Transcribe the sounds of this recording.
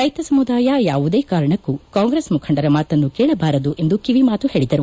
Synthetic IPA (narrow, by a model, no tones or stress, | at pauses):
ɾɐjt̪ɐsɐmud̪aːjajaːʋud̪e̞ːkaːɾɐɳɐkːukaːŋɡɾesmukʰɐɳɖɐɾɐmaːt̪ɐnːukeːɭɐbaːɾɐd̪uʔe̞nd̪ukiʋimaːt̪uheːɭid̪ɐɾu